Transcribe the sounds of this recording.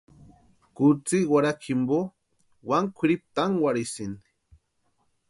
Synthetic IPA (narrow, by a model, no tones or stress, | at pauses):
kut͡siwaɾakʰimbo | waŋkʷʰiɾip̚t̪aŋwaɾisini̥